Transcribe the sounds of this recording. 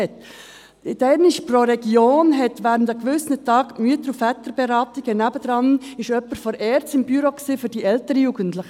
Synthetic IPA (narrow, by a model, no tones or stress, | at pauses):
ɛt | ɪdɛɾnɪʃproɾɛɡ̥joːnɦɛtʋæːɾəndəkʋʏsnətɑːɡmyət̪əɾufætəɾb̥ɛɾɑːtiɡ̥ənæbəd̥̪ɾɑnɪʃœpːəɾfɔɾɛːɾt͡sɪmbyɾoksiːfʏɾdiʔɛltəɾəjuːɡən̩tlɪχə